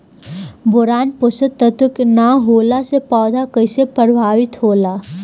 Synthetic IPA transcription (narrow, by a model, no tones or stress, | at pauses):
bʊɾaːnpʊsət̪ːət̪ʊknaɦoːlasepɔːd̪ʱakəɪsepəɾəbʱaːʋɪt̪ɦoːlaː